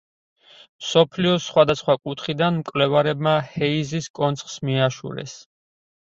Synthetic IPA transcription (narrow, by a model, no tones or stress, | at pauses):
msɔpʰliɔsχwad̪asχwakʼut̪ʰχid̪anmkʼwvlɛvaɾɛbmahɛiziskʼɔnt̪sʰχsmiaʃṵɾɛ̰s